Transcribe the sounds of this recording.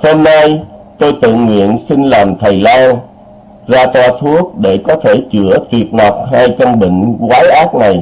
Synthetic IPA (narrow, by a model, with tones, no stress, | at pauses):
ho˧mna˧jt̪o˧jt̪ɨ̰˧˨ŋwḭ˧˨ənsi˧nlaː˨˩mt̪ʰə˨˩jlaː˧n | zaː˧t̪waː˧t̪ʰu˦˥ək̚ɗe˧˩kɔ˨˦t̪ʰe˧˩t͡ɕɨ˧˩ət̪wi˨˩ət̚na˨˩wk͡p̚ɦaː˧jkə˧nɓḭ̈˧˨ŋ̟kwaː˨˦jʔaː˦˥t̚na˨˩j